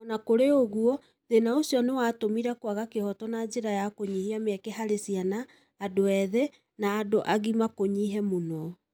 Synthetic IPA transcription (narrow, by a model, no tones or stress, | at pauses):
ɔnakoɾeoɣuɔ | ðenaosiɔnewatomiɾɛkwaɣakehɔtɔnad͡ʒeɾajakoɲihiamɛkɛɦaɾesianaː | doɛðɛ | naːdoʔaɣimakoɲiɦɛmonɔ